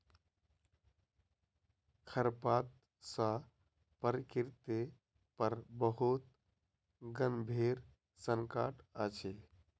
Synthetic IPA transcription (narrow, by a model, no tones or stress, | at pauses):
kʰəɾpaːt̪̚ | sã | pəɾkiɾt̪e | pəɾbəɦut̪ | ɡənbʱeɾ | səŋkaːʈat͡ʃʰe